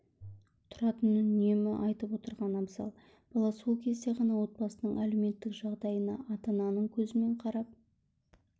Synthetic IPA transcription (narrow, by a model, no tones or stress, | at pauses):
t̪ʰʊɾɑt̪ənʏne̞mɪʔɑjt̪əpwo̞t̪əɾʁɑnɑməsɑ̰lˠ | b̥ɑlˠɑsolˠkʲʰe̞zd̪e̞ʁɑnɑwo̞t̪̚bɑsənəɴʔæle̞me̞t̪ːɪkʒ̥ɑʁd̪ɑjənɑ̰ʔɑt̪ɑnɑnəɴkʲʰɵzɪme̞ɴqʰɑɾɑp̚